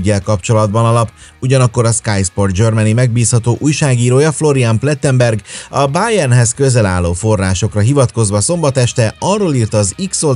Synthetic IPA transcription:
ɟːɛlkɒpt͡ʃo̞lɒd̪bɒnɒlɒpuɟɒnɒkːo̞ɾɒskajspo̞rd͡ʒørmɛnimɛɡ̚biːshɒt̪oːʔuːjʃaːɡiːɾoːjɒflo̞ɾiamplɛt̪ːɛmbɛrɡɒbajɛrnɦɛskø̞zɛla̰ːlːoːfo̞rːa̰ːʃo̞krɒɦivɒt̪ko̞zʋɒso̞mbɒt̪ɛʃt̪ɛɒrːoːliːrt̪ɒːzikso

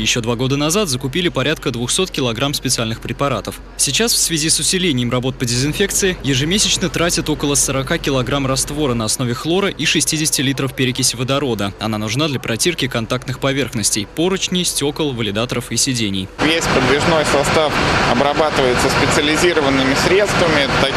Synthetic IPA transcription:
jɪɕːo̞d̪vaɡo̞d̪ənɐzat̪zəkʊpʲilʲɪpɐɾʲat̪̚kəd̪vʊxso̞t̪kʲɪlˠɐɡɾamspʲɪt̪sɨalʲnɨxpɾʲɪpɐɾat̪əf | sʲɪt͡ɕasfsvʲɪzʲisʊsʲɪlʲenʲɪjɪmrɐbo̞t̪̚pədʲɪzɪnfʲe̞k̚t̪sɨɪjɪʐɨmʲesʲɪt͡ɕnət̪ɾatʲɪt̪o̞kəlˠəsəɾɐkakʲɪlˠɐɡɾamrɐst̪vo̞ɾənəɐsno̞vʲɪxlˠo̞ɾəʔiʂɨsʲtʲidʲɪsʲɪ̥tʲɪlʲit̪ɾəfpʲɪɾʲɪkʲɪsʲvəd̪ɐɾo̞d̪əɐnanʊʐnad̪lʲɐpɾɐtʲirkʲɪkɐnt̪ak̚t̪nɨxpɐvʲe̞rxnəsʲtʲɪjpo̞ɾət͡ɕnʲɪjsʲtʲo̞kəlˠvəlʲɪd̪at̪əɾəfisʲɪdʲenʲɪjvʲesʲpəd̪vʲɪʐno̞jsɐst̪afɐbɾɐbat̪ɨvəjɪt̪səspʲɪt̪sɨəlʲɪzʲiɾəvənːɨmʲɪsʲɾʲe̞t̪st̪vəmʲɪt̪ɐ

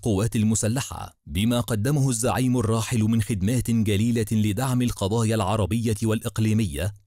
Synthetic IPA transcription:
qʊwːaːt̪almʊsalːaħa̰ | bɪmaːqɑd̪ːamʊhʊzːaʕiːmʊrˤːɑːħɪlmɪnxɪd̪maːt̪ɪnd͡ʒaliːlalɪd̪aʕmɪlqɑd̪ˤɑːjalʕɑɾˤɑbɪjːawalʔɪqliːmɪjːa

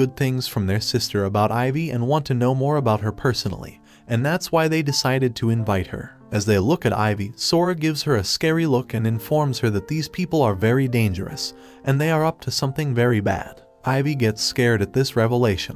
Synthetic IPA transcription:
ʊd̪̚θɪ̃ŋz̥fɹʌ̃mðə˞sɪstʰə˞əbaʊɾaɪviɨ̃nwɑ̃ntʰɨnoʊmɔɹəbaʊt̚ɦə˞pʰɜ˞sn̩l̩ˠḭ | ɨ̃nðætswaɪðeɪdɨsaɪɾɨd̚tʰɨɨ̃ɱvaɪt̚hə̰˞ | ɨzðeɪlʊkɨɾa̰ɪvisɔɹɨɡɪvz̥hə˞ɨskɛɹilʊkɨ̃nɨ̃ɱfɔɹmz̥hə˞ðɨt̪̚ðiz̥pʰipl̩ˠə˞vɛɹidẽɪ̃nd͡ʒə̰˞ɨ̰s | ʔɨ̃nðeɪə˞ʌp̚tʰɨsʌ̃mθɪ̃ŋvɛɹibæ̰d̥ | ʔaɪviɡɛtskɛɹɾɨt̪̚ðɪsɹɛvəleɪʃɨ̃n

